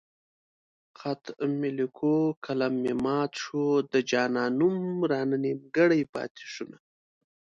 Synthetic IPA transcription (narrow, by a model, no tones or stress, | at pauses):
xat̪mɪlikʰokʰalamːemɑːt̪ʂod̪əd͡ʒɑːnɑːnumɾɑːnənimɡəɽajpɑ̰t̪ɪ̥ʂuna